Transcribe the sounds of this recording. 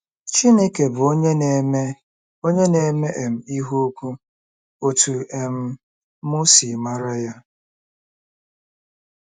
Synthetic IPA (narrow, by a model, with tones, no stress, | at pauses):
t͡ʃi˦ne˦ke˨bʊ˨o˦ɲe˦ne˦˨me˦ | o˦ɲe˦ne˨me˦ʔe˨m̩˨i˦ɦu˦kʷu˦ | o˨tu˨e˨m̩˦ | mʊ˦si˨ma˦ɾa˦ja˦